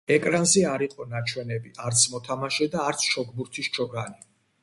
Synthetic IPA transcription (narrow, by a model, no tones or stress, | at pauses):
ɛkʼɾanzɛaɾiqʼɔnat͡ʃʰwɛnɛbiʔaɾt̪sʰmɔt̪ʰamaʃɛd̪aːɾt̪sʰʃɔkbuɾt̪ʰist͡ʃʰɔɡani